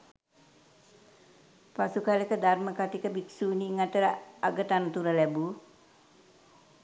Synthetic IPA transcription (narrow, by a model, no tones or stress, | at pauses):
pasukalekəd̪arməkat̪ikəbiksuniŋat̪əɾəaɡət̪ant̪uɾəlɛbu